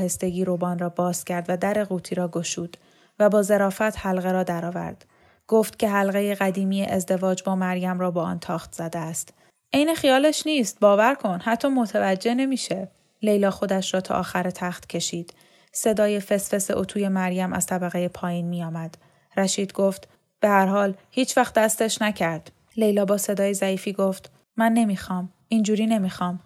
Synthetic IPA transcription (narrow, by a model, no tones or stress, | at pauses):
he̞st̪e̞ɡiːɾobɒːnrɒːbɒːz̥cʰæɾd̪væd̪æɾe̞ɣuːt̪ʰiːɾɒːɡo̞ʃuːd̪̥ | væbɒːze̞ɾɒːfæt̪ʰhælɣeɾɒːd̪æɾɒːvæ̰ɾd̪̥ | ɡ̥oːft̪cʰe̞ɦælɣejeɣæd̪iːmiːjeʔezd̪e̞vɒːd͡ʒbɒːmæɾjæmrɒːbɒːʔɒ̰ːnt̪ʰɒːxt̪z̥æd̪eæst̪ | ʔejnexijɒːleʃniːst̪̚bɒːvæɾkʰo̞nhæt̪ʰːɒːmo̞t̪ʰævæd͡ʒːe̞ne̞miːʃe̞ | le̞jlɒːxo̞d̪æʃɾɒːt̪ʰɒ̰ʔɒ̰ːxæɾet̪ʰæxt̪cʰe̞ʃiːd̪̥ | se̞d̪ɒːje̞fe̞sfe̞seʔot̪ʰuːje̞mæɾjæmʔæ̰z̥t̪ʰæbæɣejepʰɒːjiːnmijɒːmæd̪̥ | ræʃiːd̪ɡoːft̪ | b̥e̞hæɾhɒːlhiːt͡ʃʰvæxt̪d̪æst̪e̞ʃnæcʰæɾd̪̥ | le̞jlɒːbɒːse̞d̪ɒːjezæiːfiːɡoːft̪ | mænːe̞miːxɒːm | ind͡ʒuːɾiːne̞miːxɒːm